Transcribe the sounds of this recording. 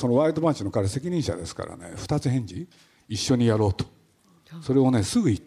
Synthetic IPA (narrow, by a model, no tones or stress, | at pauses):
so̞no̞βaːɾɯd̪o̞bãɲt͡ɕino̞kaɾese̞kʲiɲ̟ĩɰ̃ɕa̰d̪e̞sɨ̥ka̰ɾa̰ne̞̰ɸɯ̟̥t̪at͡sɨɦẽ̞ɲ̟d͡ʑi | iɕːoɲ̟ijaɾo̞ːt̪o̥ | so̞ɾe̞o̞ne̞sɨɡɯ̟it̪ː